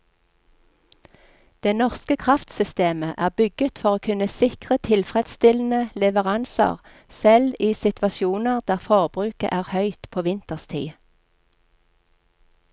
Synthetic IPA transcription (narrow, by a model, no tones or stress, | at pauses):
d̪̥ɛnɔʁskəkʰʁɑft̪sʏst̪eːməʔæːʁbʏɡət̪fɔʁoːkʰʉnəsɪkʁət̪ʰɪlfʁɛd̪st̪ɪln̩əlɛʋəʁɑnsə̰ʁ | sɛliːsɪt̪ʰʋɑsjuːnəʁd̪æːʁfoːʁbʁʉːkə̰ʔæːʁhœʏt̪pʰoːʋɪnt̪əʁst̪ʰḭː